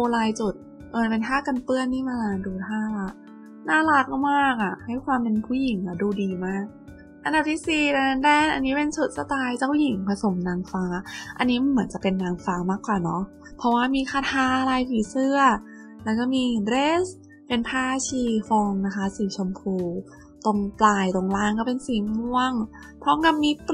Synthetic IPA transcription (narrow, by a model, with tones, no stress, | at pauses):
ʔoː˧laː˧jt͡ɕu˨˩t̪̚ | ʔɤː˧˩npe˧nt̪ʰaː˥˩ka˧npɯ˥˩ənːiː˥˩maː˧laː˧nduː˧t̪ʰaː˥˩ʔa˨˩ | naː˥˩laː˦˥k̚a˧˥˩maː˥˩k̚ʔa˨˩ha˥˩jkʰwaː˧mpe˧npʰuː˥˩ji˨˩˦ŋʔa˨˩duː˧diː˧maː˥˩k̚ | ʔa˧nda˨˩p̚t̪ʰiː˦˥˩siː˨˩t̪a˧˩na˧˥ndɛː˥˩nʔa˧nːiː˦˥pe˧nsʰu˨˩t̪̚sa˧t̪aː˧jt͡ɕaː˥˩wji˨˩˦ŋpʰa˧so˨˩˦mnaː˧ŋfaː˦˥ʔa̰˧nːiː˦˥ma˧nmɯ˩˦ənt͡ɕa˨˩pe˧nːaː˧ŋfaː˦˥maː˥˩kːwaː˨˩nɔ˦˥ | pʰɔ˦˥waː˥˩miː˧kʰaː˧˩t̪ʰaː˧˥˧laː˧jpʰiː˨˩˦sɯ˥˩ɐ | lɛː˦˥wkɔː˥˩miː˧dɾeː˦˥s | pe˧npʰaː˥˩t͡ɕʰiː˧˩fɔː˧ŋna˦˥kʰa˦˥siː˨˩˦t͡ɕʰo˧mpʰuː˧˩ | t̪o˧ŋplaː˧jt̪o˧ŋlaː˥˩ŋkɔː˥˩pe˧nsiː˨˩˦mu˧əŋ | pʰɔ˦˥ŋka˧mːi˦˥